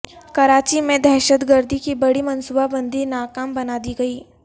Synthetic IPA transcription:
kɐɾaːt͡ʃimẽd̪ɛːʃət̪ɡəɾd̪ʱikibɐɽimɐ̃nsubabɐ̃nd̪iɾnaːkaːmbɐnaːd̪iɡɐiː

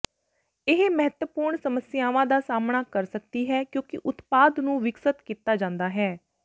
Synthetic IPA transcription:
ɪɦmɛɦət̪əpuːɾɳsəməsɪjaːʋãːd̪aːsaːmɳaːkəɾsək̚d̪iːɦɛːkjõːkɪʔʊt̪paːd̪nũːʋɪksət̪kiːt̪aːd͡ʒãːnd̪aːɦɛː

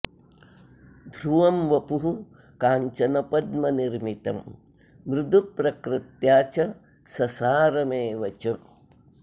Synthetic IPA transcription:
d̪ʱɾuʋɐmʋɐpuɦu | kaːɲt͡ʃɐnɐpɐd̪mɐniɾmit̪ɐm | ʋɾɪd̪ʱupɾɐkɾɪt̪jaːt͡ʃɐ | sɐsaːɾɐmeːʋɐt͡ʃɐ

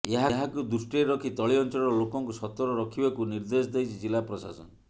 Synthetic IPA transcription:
eɦaɦakud̪usʈieɾɔkʰit̪ɔɭiɔnt͡ʃɔɭɔɾɔlokɔŋkusɔt̪ɔɾɔɾɔkʰibakuniɾd̪esd̪ejt͡ʃʰid͡ʒilapɾɔsa̰sɔ̰n

